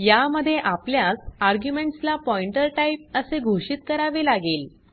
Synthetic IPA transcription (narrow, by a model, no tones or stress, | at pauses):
jaməd̪ʱːjeʔapljasaɾɡjumeɳʈslapɔiɳʈəɾʈaip̚əseɡʱoɕit̪̚kəɾaʋelaɡeːl